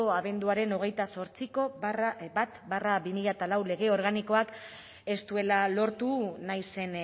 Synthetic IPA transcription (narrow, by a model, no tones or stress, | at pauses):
oaβe̞nd̪uaɾe̞no̞ɣ̞e̞jt̪aso̞ɾt͡siko̞bat̪baraβimiʎat̪alawle̞ɣe̞o̞ɾɣaniko̞ak | e̞st̪ue̞lalo̞ɾt̪unajse̞n